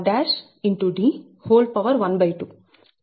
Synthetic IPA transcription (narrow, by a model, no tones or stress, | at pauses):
ɖæːʃ | ɪɳʈuɖi | hoːlɖ̚pɐʋɐɾʋɐnbɐjʈu